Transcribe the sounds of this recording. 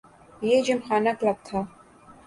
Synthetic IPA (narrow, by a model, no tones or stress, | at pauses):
jeːd͡ʒɪmxaːnɐklɐɡ̚t̪ʰaː